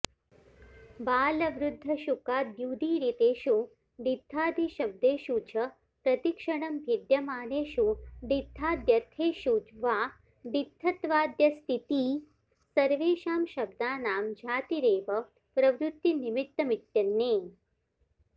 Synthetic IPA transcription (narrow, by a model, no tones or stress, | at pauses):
baːlɐʋɾud̪ʱːɐʃukaːd̪juːd̪ʱiːɾit̪eːʃu | ɖit̪ʰːaːd̪ʱiʃɐb̚d̪eːʃuːt͡ʃʰɐ | pɾɐt̪ikʂɐɳɐmbʱid̪jɐmaːneːʃuɖit̪ʰːaːd̪jɐt̪ʰeːʃuːd͡ʒʋaː | ɖ̪it̪ʰːɐt̪ʋaːd̪jɐst̪ʰit̪iː | sɐɾʋeːʃaːmʃɐb̚d̪aːnaːmd͡ʒʱaːt̪iɾeːʋɐ | pɾɐʋɾut̪ːinimik̚t̪ːɐmit̪jɐnːeː